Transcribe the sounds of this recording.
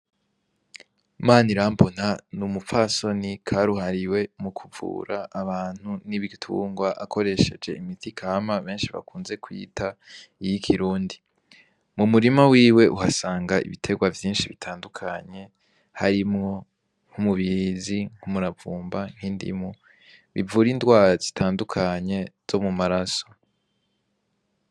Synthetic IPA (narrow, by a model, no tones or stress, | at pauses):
maːniɾaːmpon̥anumupfaso̞nikʰaɾuɦaɾiwe̞mukʰuvṵːɾʔaːβaːn̥huniβitʰṵːŋɡwaʔakʰo̞ɾe̞ʃe̞d͡ʒe̞imitʰikʰaːmaβe̞ːnʃiβa̰kuːnze̞kwḭːtʰaijikʰiɾuːndi | mumuɾimawiːwe̞ʔuhasaːŋɡaḭβitʰe̞ɡwavjiːnʃiβitʰaːndukʰaɲe̞ | haɾimŋo̞ | ŋ̥humuβiɾiziŋ̥humuɾavuːmbaŋ̥hindḭmu | βivuɾindɡwaːɾazitʰaːndukʰaɲe̞z̥o̞mumaɾaso̞̥